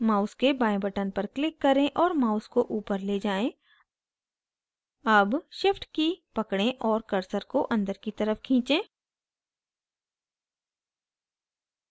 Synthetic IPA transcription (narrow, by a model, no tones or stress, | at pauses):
maːʊskebãːẽbɐʈənpɐɾklɪkːɐɾẽʔɔːɾmaːʊskoʔuːpəɾleːd͡ʒaːẽ | ɐbʃɪfʈkipɐkɽẽʔɔːɾkɐɾsəɾkoʔɐ̃nd̪əɾkit̪ɐɾəfkʰĩːt͡ʃẽː